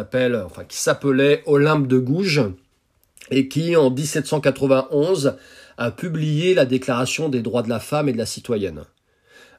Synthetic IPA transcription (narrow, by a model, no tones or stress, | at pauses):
apɛlɑ̃fɛ̃kʲi̥sapəlɛʔɔlɛ̃p̚d̪əɡuʒ | ekʲiɑ̃d̪isɛt̪sɑ̃kat̪χəvɛ̃ʔɔ̃z | apyblijelad̪eklaʁasjɔ̃d̪ed̪ʁwad̪əlafamed̪əlasit̪wajɛn